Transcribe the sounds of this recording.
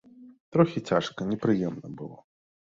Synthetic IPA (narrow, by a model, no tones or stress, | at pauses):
t̪ɾɔxʲit͡sʲaʂkɐnʲɛpɾɨjɛmnɐbɨlˠɔ̰